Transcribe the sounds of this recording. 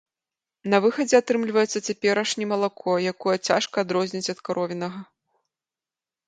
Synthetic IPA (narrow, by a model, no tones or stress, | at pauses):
nɐvɨxɐd͡zʲɛat̪ɾɨmlʲvɐjɛt̪sːɐt͡sʲapʲɛɾɐʂnʲimɐlˠakʰɔjakɔjɐt͡sʲaʂkɐːd̪ɾɔzʲnʲit͡sʲɐt̪kaɾɔvʲinɐɣɐ